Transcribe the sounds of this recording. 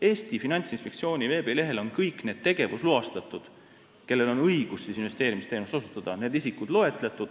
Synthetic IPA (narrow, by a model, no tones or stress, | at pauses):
e̞ːst̪ifinɑnʲt̪sinspe̞kt̪sio̞ːnʲive̞ːb̥e̞le̞ɦe̞lo̞nkɤjkːˑne̞ːd̪̥̚t̪e̞ɡ̥e̞vusluɑst̪ɑt̪ːˑud̪̥ | ke̞lːe̞lo̞nɤjɡ̥usːisinve̞st̪e̞ːɾimist̪enust̪osut̪ːˑɑd̪̥ɑne̞ːd̪isikud̪̥lo̞e̞t̪ˑlet̪ˑːud̪̥